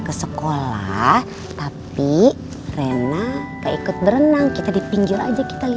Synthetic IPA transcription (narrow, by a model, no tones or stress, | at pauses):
kəsəkola̰h | t̪api | renat̪aikʊt̪̚bəɾənaŋkit̪adipiŋɡɪɾa̰d͡ʒaki̥t̪ali